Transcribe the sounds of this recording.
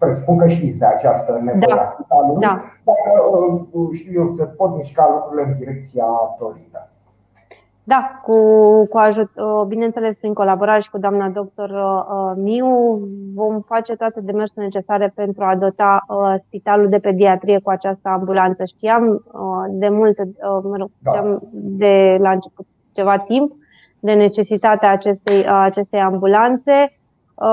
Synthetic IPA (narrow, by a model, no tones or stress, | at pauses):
pɾespuŋkəʃt̪it̪sʲd̪eat͡ʃast̪ənevaaaspit̪alud̪ad̪ar | ʃt̪ijesəpot̪miʃkalukɾuileɨnd̪iɾek̚t̪sijat̪oɾit̪ə | d̪akukuaʒut̪əbine̞nse̞le̞spɾiŋko̞laboɾaɾe̞ʃi̥kud̪oamnad̪o̞k̚t̪o̞rəəmiuvo̞mfat͡ʃe̞t̪oat̪e̞d̪e̞me̞rsone̞t͡ʃe̞saɾe̞pe̞nt̪ɾuad̪o̞t̪aəspit̪aluld̪e̞pe̞d̪iat̪ɾije̞kuat͡ʃast̪əambulant̪səʃt̪iamd̪e̞mult̪əməɾo̞ɡ̥ʃt̪iamd̪e̞laɨnt͡ʃe̞put̪̚ | t͡ʃe̞vat̪imp | d̪e̞ne̞t͡ʃe̞sit̪at̪eaːt͡ʃe̞st̪ejat͡ʃe̞st̪e̞jambulant̪se̞